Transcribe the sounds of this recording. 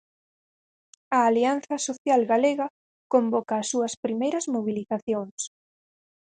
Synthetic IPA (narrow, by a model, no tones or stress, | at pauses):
ɐːlian̟θɐsoθjalɣaleɣɐ | kombɔkɐːsːuɐspɾimejɾɐzmoβ̞iliθaθjoŋs